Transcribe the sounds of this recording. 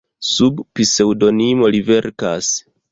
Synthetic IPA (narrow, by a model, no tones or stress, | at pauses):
subpise̞wdo̞nimo̞live̞ɾka̰s